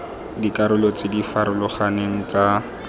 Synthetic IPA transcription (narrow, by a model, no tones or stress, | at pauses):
dikʼaɾʊlɔt͡sedifaɾʊlʊχaneŋ̩t͡sa